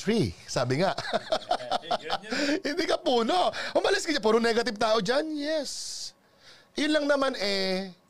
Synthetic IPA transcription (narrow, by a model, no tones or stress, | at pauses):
tɾisaːbɪŋaʔ | hɪnd̪ikɐpuːno̞ʔhʊmɐlɪskɐɲap̬uːɾʊŋnɛɡɐt̪ɪv̚t̪aːʔo̞d͡ʒanjɛs | ʔɐjʊnlɐŋnɐmanɛ